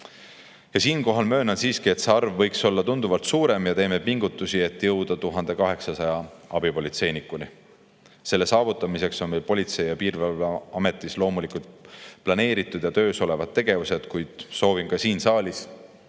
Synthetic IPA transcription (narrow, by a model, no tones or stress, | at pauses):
jɑsiːnko̞ɦɑlmø̞ːnɑnsiːskie̞t̪seɑrvːɤjkso̞lːɑt̪und̪̥uvɑlt̪suːɾe̞mjɑt̪e̞ːme̞piŋɡ̥ut̪ːˑusie̞t̪ːˑjɤwd̪̥ɑt̪uɦɑnd̪̥e̞kɑɦe̞ksɑsɑjɑɑb̥ipo̞lʲit̪se̞jnikuli | se̞lːe̞sɑːvut̪ˑːɑmise̞kso̞nmejlpo̞lʲit̪se̞jjɑpiːrvɑɑmet̪ˑːislo̞ːmulikult̪plɑne̞ːɾit̪ˑːud̪̥jɑt̪ø̞ːso̞le̞vɑd̪̚ːe̞ɡ̥e̞vuse̞d̪̥kujd̪̥so̞ːvinkɑsiːnsɑːlʲis